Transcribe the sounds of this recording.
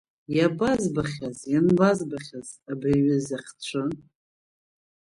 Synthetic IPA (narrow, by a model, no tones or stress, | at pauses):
jabazbaχʲazjanbazbaχʲazabriɥɪzaχʲt͡ɕʷʰɨ